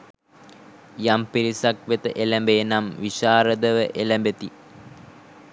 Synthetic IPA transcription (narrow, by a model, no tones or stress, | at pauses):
jampiɾisak̚ʋet̪əʔelæmbenamʋiʃaːɾəd̪əʋəʔelæmbet̪i